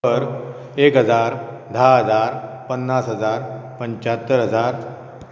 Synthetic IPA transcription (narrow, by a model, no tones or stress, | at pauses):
əɾ | ekɦəd͡zaɾ | d̪ʱaɦəd͡zaɾpənːasɦəd͡zaɾpəɲt͡ɕat̪ːəɾɦəd͡zaɾ